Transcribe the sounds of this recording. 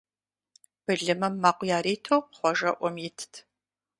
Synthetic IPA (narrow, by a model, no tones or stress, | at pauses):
b̥ɨɮɨmɐmːaːqʷjaːɾiːtʰoːχʷɔʒɐʔʷɔmjɪtʰtʰ